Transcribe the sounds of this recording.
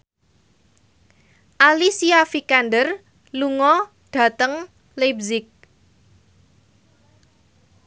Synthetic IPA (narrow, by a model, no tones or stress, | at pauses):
ʔalisiafikanɖər | luŋɔ | ɖ̥ä̤t̪əŋ | lebzɪk̚